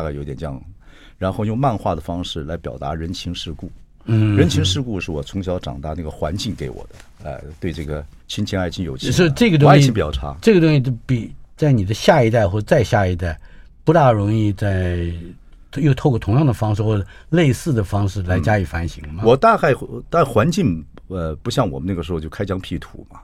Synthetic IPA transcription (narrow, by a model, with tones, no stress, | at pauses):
ka˥˩o˧˥ʊt̪ɛ˨˩nʈ͡ʂjɑ̰˥˩ŋ˩ | ɻa˧˥nxo˥˧ʊjʊ˥˧ŋma˥˧nxwa˥˩d̪ə˩fɑ˥ŋʂɻ̩˥˩la˧˥ɪpjɑ˨˩ʊt̪a̰˧˥ɻə˧˥nt͡ɕʰi˧˥ŋʂɻ̩˥˧ku˥˩ | n̩˥˩ɻə˧˥nt͡ɕʰi˧˥ŋʂɻ̩˥˧ku˥˧ʂɻ̩˥˩wɔ˨˩t͡sʰʊ˧˥ŋɕjɑ˧˥ʊʈ͡ʂɑ̰˨˩ŋt̪a̰˥˧na˥˩ɡə˩xwa˧˥nt͡ɕi˥˩ŋke˧˥ɪwɔ̰˨˩d̪ə˦ə̰˥˧t̪we˥˧ɪʈ͡ʂɤ˥˩ɡə˩t͡ɕʰi˥nt͡ɕʰi˥na˥˧ɪt͡ɕʰi˥njo˨˩ʊt͡ɕʂɻ̩˥˩ʈ͡ʂɤ˥˩ɡə˩t̪ʊ˥ɕi˥˧˩pi˨˩jɑ˥˧ʊʈ͡ʂʰa̰˥ʈ͡ʂɤ˥˩ɡə˩t̪ʊ˥ŋɕi˥˩t͡ɕo˥˩pi˨˩t͡sa˥˩ɪni˨˩d̪ə˦ɕja˥˧i˥t̪a˥˧ɪxwɔ˥˧˩ə˩t͡sa˥˧ɪɕja˥˧i˧˥t̪a˥˩ɪ | pu˧˥t̪a˥˩ɻʊ˧˥ŋi˥˧t͡sa˥˩ɪ | jo˥˧t̪ʰo˥˧kɔ˥˩t̪ʰʊ˧˥ŋjɑ˥˩ŋd̪ə˩fɑ˥ŋʂɻ̩˥˧xwɔ˥˩ʈ͡ʂə˩le˥˧ɪsɹ̩˥˩d̪ə˩fɑ˥ŋʂɻ̩˥˩la˧˥ɪt͡ɕja˥i˨˩fa˧˥nɕi˧˥ŋmɐ˧wɔ˨˩t̪a˥˧xa˥˧ɪt̪a˥˩xwa˧˥nt͡ɕi˥˧n | ə˧pu˧˥ɕjɑ˥˩ŋwɔ˨˩mə˦na˥˩ɡə˩ʂɻ̩˧˥xt͡ɕo˥˩kʰa˥ɪt͡ɕʰjɑ˥ŋpʰi˥˩t̪ʰṵ˧˥mɐ˨